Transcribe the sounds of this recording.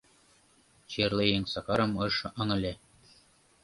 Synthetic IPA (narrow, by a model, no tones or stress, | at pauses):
t͡ɕerlejeŋsɑkɑɾɤ̆mɤ̆ʃɤ̆ŋɤ̆lʲe